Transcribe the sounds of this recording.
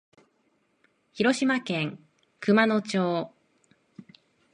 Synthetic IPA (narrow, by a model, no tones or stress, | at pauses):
çiɾo̞ɕimakẽ̞ŋ | kɯ̟mano̞t͡ɕoː